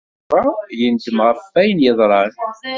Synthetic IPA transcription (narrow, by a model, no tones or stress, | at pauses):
ɑjənd̪əmʁəfæjənjəðˤɾˤɑɾ